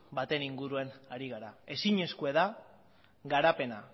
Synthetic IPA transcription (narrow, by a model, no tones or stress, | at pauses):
bat̪e̞niŋɡuɾue̞naɾiɣaɾae̞siɲe̞skue̞ða | ɣaɾape̞na